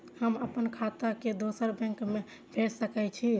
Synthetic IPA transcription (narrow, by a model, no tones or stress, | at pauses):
həməpənkʰat̪aked̪osəɾbɛ̃ŋkme | bʱeʈsəkɛt͡ʃʰi